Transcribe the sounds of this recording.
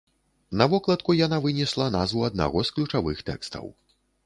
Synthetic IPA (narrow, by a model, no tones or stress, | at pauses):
nɐvɔklˠɐt̪kujanavɨnʲɛslˠɐnazvuɐd̪̚na̰ɣɔsklʲut͡ʂavɨxt̪ɛ̰kst̪ɐ̰w